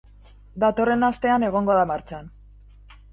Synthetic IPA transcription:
d̪at̪o̞re̞nast̪e̞ane̞ɣ̞o̞ŋɡo̞ðamaɾt͡ʃan

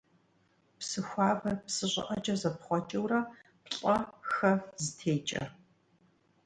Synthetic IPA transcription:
psɨxʷaːvɐrpsɨɕʼɪ̰ʔɐt͡ʃʼɐzɐpχʷɔt͡ʃʼɐwrɐ | pɬʼɐxɐzɨtʰeːt͡ʃʼɐ̰

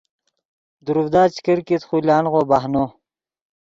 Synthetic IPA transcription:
d̪uɾuvd̪aːt͡ɕkəɾkit̪χulaːnʁoːbaɦno

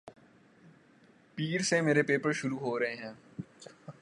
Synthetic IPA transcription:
piːɾsemeːɾepeːpəɾʃʊɾuɦoːɾɐɦeɦɛ̃ː

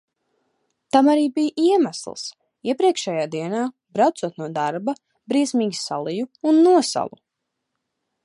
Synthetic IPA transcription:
t̪amaɾiːbijʔiɛmæslˠs | iɛpɾiɛkʃɛjaːd̪iɛnaː | bɾawt̪suɔt̪nuɔd̪aɾba | bɾiɛsmiːɡʲisalˠijuunːuɔsa̰lˠṵ

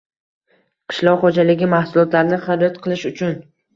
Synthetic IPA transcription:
qʰɨ̥ʃlˠɒʁχod͡ʒalɪɡʲɪmahsʊlˠɒt̪laɾnɪχad͡ʒat̪qʰɨlˠɪʃʊt͡ʃʰʊn

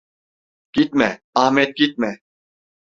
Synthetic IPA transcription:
kit̪̚mɛ | ahmet̪̚ɡit̪̚mɛ

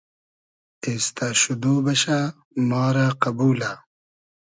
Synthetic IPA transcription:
eːst̪aːɕud̪oːbɐɕa | mɑːɾaqɐbuːla

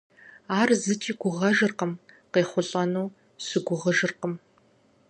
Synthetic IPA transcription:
aːrzɨt͡ʃʼiːɡʷʊʁɐʒɨrqəmqeːχʷʊɬʼɐnuː | sɨɡʷʊʁəʒɨrqəm

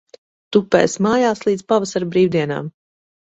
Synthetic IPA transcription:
t̪upːɛ̰ːsmaːjaːslˠiːd̪z̥pavasaɾbɾiːwd̪iɛna̰ːm

